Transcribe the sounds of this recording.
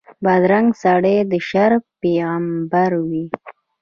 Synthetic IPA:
bad̪ɾaŋɡsaɽed̪əʃaɾpeɣambaɾwi

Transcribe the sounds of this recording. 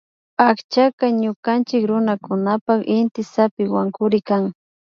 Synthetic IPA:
akt͡ʃakaɲʊkant͡ʃɪkɾʊnakʊnapakɪnt̪ɪsapɪwaŋkʊɾɪkaŋ

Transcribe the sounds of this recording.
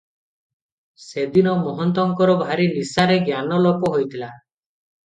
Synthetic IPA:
sed̪inɔmɔɦɔnt̪ɔŋkɔɾɔbʱaɾinisaɾeɡjanɔlɔpɔɦojt̪ʰila

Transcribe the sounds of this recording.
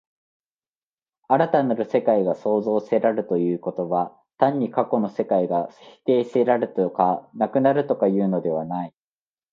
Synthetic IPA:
aɾat̪anaɾɯ̟se̞kaiɡaso̞ːzo̞ːse̞ɾaɾɯ̟t̪o̞jɯ̟ːko̞t̪o̞βa | t̪ãɲ̟ːikako̞no̞se̞kaiɡaçi̥t̪e̞ːseɾaɾɯ̟t̪okanakɯ̟naɾɯ̟t̪o̞kajɯ̟ːno̞d̪e̞β̞anai

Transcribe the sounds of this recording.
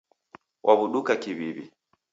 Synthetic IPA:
wʔaβuɗukakiβiβḭ

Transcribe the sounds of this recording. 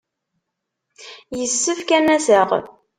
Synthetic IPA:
jəsːəfkænæsəʁ

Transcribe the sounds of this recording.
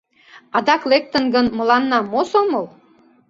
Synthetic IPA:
ɑd̪ɑklek̚t̪ənɡənmə̆lɑnːɑmosomɤl

